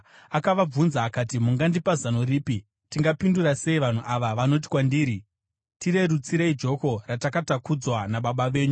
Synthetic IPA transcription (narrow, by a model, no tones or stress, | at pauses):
akaʋab͡vunzaːkatimuŋɡandipazano̞riːpi | tiŋɡapindurase̞iʋan̤uʔaʋaʋano̞t̬i̥kwandiːɾi | tire̞ɾut͡siɾeid͡ʒo̞ko̞ratakatakud͡zwanaɓaɓaʋe̞ːɲu